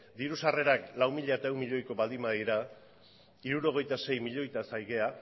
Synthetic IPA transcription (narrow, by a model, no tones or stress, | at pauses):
d̪iɾusare̞ɾaklawmiʎaet̪aewmiʎo̞jko̞βald̪imaðiɾa | iɾuɾo̞ɣ̞e̞jt̪ase̞jmiʎo̞jt̪asajɣe̞a